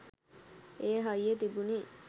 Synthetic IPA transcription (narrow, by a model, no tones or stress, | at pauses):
eːɦɐjːet̪ibuni